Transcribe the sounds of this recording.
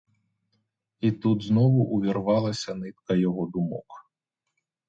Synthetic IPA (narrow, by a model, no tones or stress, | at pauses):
it̪ud̪znɔʋʊʔuʋʲirʋɑlˠɐsʲɐnɪt̪kɐjɔɦɔd̪ʊmɔ̰k